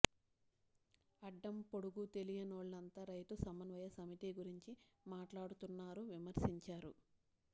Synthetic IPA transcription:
ɐɖːɐmpo̞ɽuɡut̪e̞lijɐnoːɭːɐnt̪ɐːɾɐjt̪usɐmɐnʋɐjɐsɐmiʈiɡuɾiɲt͡ʃi | maːʈlaːɽut̪unːaːɾuʋimɐɾsiɲt͡ʃaːɾṵ

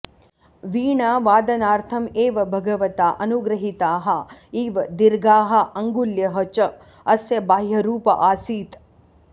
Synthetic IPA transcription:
ʋiːɳaːʋaːd̪ɐnaːɾt̪ʰɐmeːʋɐbʱɐɡɐʋɐt̪aːʔɐnuɡɾɐɦit̪aːɦɐiːʋɐd̪iɾɡaːɦɐ̆ɐŋɡuljɐɦɐt͡ʃɐ | ɐsjɐbaːjɐɾuːpɐ̰ʔaːsiːt̪

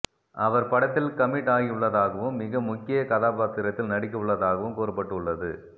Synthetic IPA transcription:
ʔɐʋɐɾpɐɽɐt̪ːɪlkɐmɪʈːaːɣiʊɭːɐðaːɣɐʋɯmːɪɣɐmʊkːɪjɐkɐðaːpaːt̪ːɪɾɐt̪ːɪlnɐɽɪk̬ːɐʊɭːɐðaːɣɐʋɯmkoːɾɐpːɐʈːɯʊɭːɐðɯ

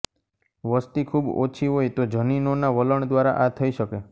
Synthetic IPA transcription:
ʋəst̪ikʰubo̰t͡ʃʰiɦojt̪od͡ʒʱəninonaʋələɳd̪ʋaɾa̰ʔat̪ʰəiʃəke

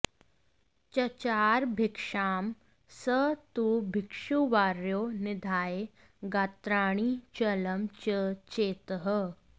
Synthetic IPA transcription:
t͡ʃɐt͡ʃaːɾbʱɪkʂaːm | sət̪uːbʱɪkʂuʋaːɾjoːnɪd̪ʱaːje | ɡat̪ɾaːɽ̃iːt͡ʃɐləmt͡ʃət͡ʃeːt̪əɦə

